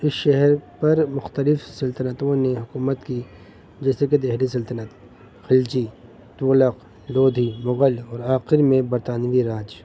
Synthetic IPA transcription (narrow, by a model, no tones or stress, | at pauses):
ɪsʃɛɦɛɾpɐɾmʊxt̪əlɪfsɐlt̪ənət̪õneɦʊkuːmət̪ki | d͡ʒɛːseked̪eɦlisɐlt̪ənət̪ | xɪld͡ʒi | t̪uːləq | loːd̪ʱimʊɣəlɔːɾaːqɪɾmẽbɐɾt̪aːnʋiɾaːd͡ʒ